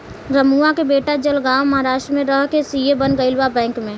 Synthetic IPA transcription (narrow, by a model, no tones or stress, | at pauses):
ɾəmuakebeːʈad͡ʒəlɡaːwmɐɦaɾaːʃʈɾmẽɾəɦkesijebənɡəɪlʋabɛ̃ːŋkmẽ